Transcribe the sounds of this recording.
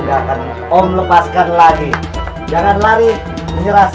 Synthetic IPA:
ɡakan | ɔmləpaskanlaɡi | d͡ʒaŋanlaɾi | məɲəɾas

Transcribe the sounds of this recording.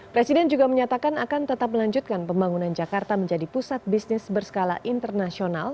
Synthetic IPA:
pɾɛsidɛnd͡ʒuɡaməɲat̪akanakant̪ət̪ap̚məlaɲd͡ʒut̪̚kanpəmbaŋunand͡ʒakart̪aməɲd͡ʒadipusat̪̚bisnɪsbərsə̥kala̰ʔint̪ərnasional

